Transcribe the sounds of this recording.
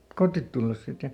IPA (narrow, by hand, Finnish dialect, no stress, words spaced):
kotːit tulːes sit jɑ